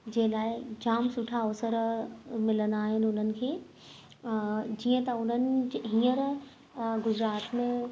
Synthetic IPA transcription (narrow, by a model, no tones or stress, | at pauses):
d͡ʑeːlaːɪd͡ʑaːmsʊʈʰaoːsəɾmɪlənd̪aːɦɪnɪʊn̤ənɪ̆kʰeː | d͡ʑiːə̃t̪ɐʊn̤ənɪ̆d͡ʑɦĩːəɾ | ɡʊd͡ʑɾaːt̪mẽ